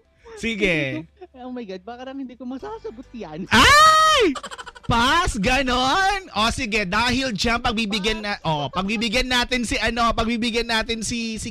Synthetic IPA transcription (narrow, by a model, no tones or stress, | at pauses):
siɡɛowmɐjɡad̪̚bakɐlɐŋhɪnd̪ikomɐsaːsɐɡot̪̚janʔajpasɡɐnonʔosɪɡɛd̪aːhɪld͡ʒampɐɡ̚bibɪɡjɐnːaʔopɐɡ̚bibɪɡjɐnːaːt̪ɪnsɪʔɐno̞pɐɡ̚bibɪɡjɐnːaːt̪ɪnsisɪ